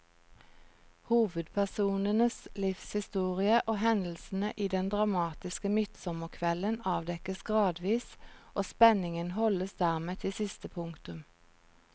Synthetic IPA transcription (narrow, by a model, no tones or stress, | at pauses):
huːʋəd̪pʰæʁsuːnənəslɪfshɪst̪uːʁɪəʔoːɦɛnd̪l̩sn̩əʔiːd̪ɛnd̪ʁɑmɑːt̪ɪskəmʏt̪sɔməʁkʰʋɛlənɑːʋd̪ɛkəsɡʁɑːd̪ʋiːsʔoːspɛnɪŋənhɔləsd̪æːʁmeːt̪ʰɪsɪst̪əpʰʊŋkt̪ʉm